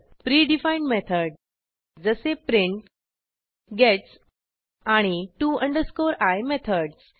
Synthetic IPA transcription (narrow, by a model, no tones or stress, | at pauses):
pɾiːɖifajɳʈmet̪ʰəɾɖ | d͡zəsepɾiɳʈ | ɡɛʈs | aɽ̃iʈuʔə̃ɳɖəɾskoɾajmet̪ʰəɖs